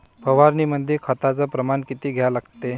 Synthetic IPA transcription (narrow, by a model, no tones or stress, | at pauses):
pəʋaɾniːməd̪ʱikʰət̪at͡səpɾəmankit̪iːɡʱjalaɡt̪e